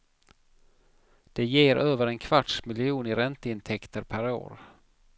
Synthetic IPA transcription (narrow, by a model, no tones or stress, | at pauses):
d̪̥ɛjeːɾʔøːvəɾɛnkʰvaʈʂmɪlɪuːnɪɾɛnt̪əɪnt̪ʰɛkt̪əɾpʰæɾo̰ːɾ